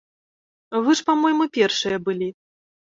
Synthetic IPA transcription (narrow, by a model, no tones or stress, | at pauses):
vɨʂpamɔjmɨpʲɛrʂɨjɐbɨlʲi